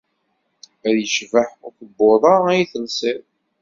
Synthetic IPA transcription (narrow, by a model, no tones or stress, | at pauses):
æɾjəʃvəħʊɾθəbːoðˤɑæjiθəlsɪɾ